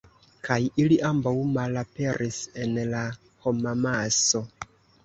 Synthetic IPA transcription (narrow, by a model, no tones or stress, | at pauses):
kʰajiliʔambawmalape̞ɾʔise̞nla | ho̞mamaso̞